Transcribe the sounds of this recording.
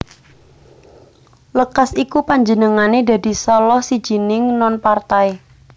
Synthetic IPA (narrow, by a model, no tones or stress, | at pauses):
ləkasikupaɲd͡ʒənəŋaned̪a̤d̪̥i̤sɔlɔhsi̥d͡ʒ̥i̤nɪŋnɔnpart̪ae